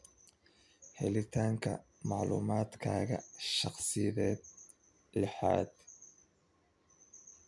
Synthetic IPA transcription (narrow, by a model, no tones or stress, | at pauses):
hɛlɪt̪ʰaːŋkʰɐ̰ | mɑʕlṵːmaːd̪kʰaːɣɐ̰ʃɑχsɪðɛːd̪̚ | lɛħa̰ːd̪